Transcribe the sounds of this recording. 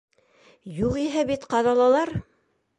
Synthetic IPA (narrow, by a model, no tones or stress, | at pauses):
juqiɦæbit̪qɑðɑlˠɑlˠɑɾ